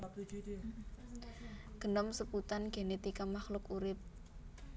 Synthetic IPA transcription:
ɡ̥ə̤nɔmsəput̪anɡ̥e̤net̪ikamaxlʊkuɾɪp̚

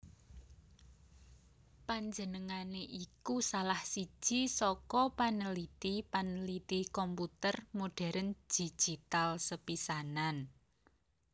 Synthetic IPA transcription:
paɲd͡ʒənəŋaneʔikusalahsi̥ʒ̥i̤sɔkɔpanəlit̪ipanəlit̪ikɔmput̪ərmoɖ̥a̤ɾʔənd͡ʒ̥i̤̥ʒ̥it̪alsəpisanan

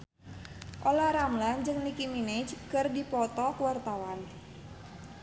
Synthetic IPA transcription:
ʔolaɾamland͡ʒɨŋnikimined͡ʒkərdipɔt̪ɔkəwart̪awan

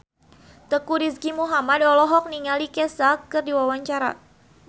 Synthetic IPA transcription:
t̪əkuɾiskimuɦamadɔlɔɦɔk̚niŋalikɛsakɨrdiwawaɲt͡ʃaɾa̰

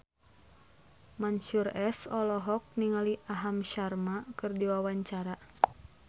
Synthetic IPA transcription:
manʃurɛsɔlɔɦɔk̚niŋaliʔaɦamʃarmakɨrdiwawaɲt͡ʃaɾa

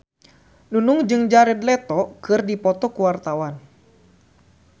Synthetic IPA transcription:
nunuŋd͡ʒɨŋd͡ʒaɾɛd̪lɛt̪ɔkɨrdipɔt̪ɔkuwart̪awan

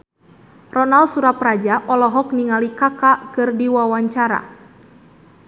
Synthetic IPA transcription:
rɔnalsuɾaprad͡ʒaʔɔlɔɦɔk̚niŋalikakakɨrdiwawaɲt͡ʃaɾa̰

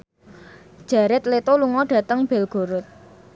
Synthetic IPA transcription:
d̥ʒ̥a̤ɾɪt̪̚let̪oluŋɔɖ̥ä̤t̪əŋb̥ɛ̤lɡ̥o̤ɾʊt̪̚

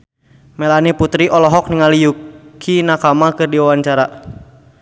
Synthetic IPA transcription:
melaniput̪ɾiʔɔlɔɦɔk̚niŋalijukʰinakamakɨrdiwawaɲt͡ʃaɾa

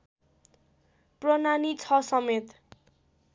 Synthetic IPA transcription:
prʌnanit͡sʰʌsʌmet̪

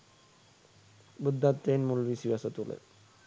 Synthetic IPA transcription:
bud̪ːat̪ːenmulʋisjasət̪ulḛ

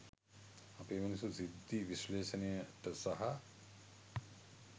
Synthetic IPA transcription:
ɐpeːmɐnisuzid̪ːiʋiʃleːʃɐnejəʈɐsɐɦɐ

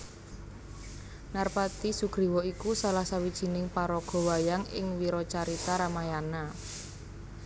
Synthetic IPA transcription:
narpat̪isuɡ̥ɾi̤wɔikusalahsawid̥ʒ̥i̤nɪŋpaɾɔɡ̥ɔ̤wajaŋɪ̰ŋwiɾɔt͡ʃaɾit̪aɾamajana

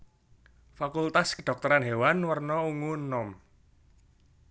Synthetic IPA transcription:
fakult̪askəɖ̥ɔk̚t̪ɔɾanɦewanwərnɔuŋunːɔm

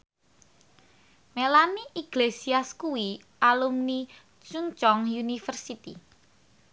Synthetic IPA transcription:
melaniʔiɡ̥lesiaskuwi | ʔalumni | t͡ʃunt͡ʃɔŋjunifərsit̪ḭ

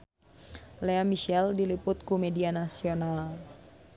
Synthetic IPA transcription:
leamiʃɛldilipʊt̪̚kumɛdianasional

